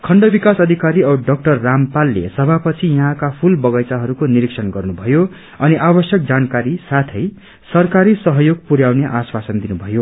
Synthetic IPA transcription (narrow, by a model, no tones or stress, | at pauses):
kʰʌɳɖʌbikasʌd̪ʱikaɾiʌɖʌk̚ʈʌrːampalːḛsʌbʱapʌt͡sʰijʌɦãkapʰulbʌɡʌjt͡saɦʌɾukoniɾiksʌnɡʌrnubʱʌjo | ʌniʔabʌsjʌk̚d͡zankaɾisat̪ʰʌj | sʌrkaɾisʌɦʌjoɡpuɾjawneʔaswasʌnd̪inubʱʌjo